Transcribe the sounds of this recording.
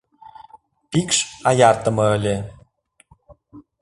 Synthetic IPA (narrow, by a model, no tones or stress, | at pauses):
pikʃɑjɑrt̪ə̆mɤ̆əlʲe